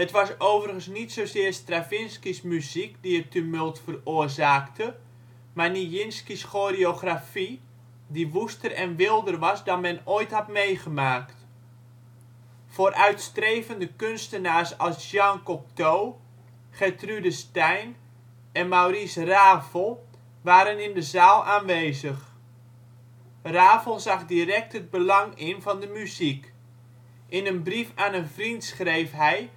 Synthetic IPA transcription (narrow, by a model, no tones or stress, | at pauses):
ətʋɑsoːwvərɣənsnitsowsɪərstrafɪnskismyzikdiətymølˠtfəroərzaːktʰə | marnijɪnskisxoːreoχrafi | diʋustərɛnʋɪlˠdərʋɑsdɔnmɛnoːjthɑtmejχəmaːkt | foɾʔœɥtstrejvəndəkønstənaːsɑlˠsɑŋkɔp̚tow | χɛtrydəstɛjn | ɛnmawrisraːvəlˠ | ʋaːɾənɪndəzaːlˠaːnʋejzəχ | raːvəlˠzɑχdirɛk̚tɦəd̚bəlɑŋɪnvɑndəmyzik | ʔɪnənbrifaːnənvrintsχrejfɦɛj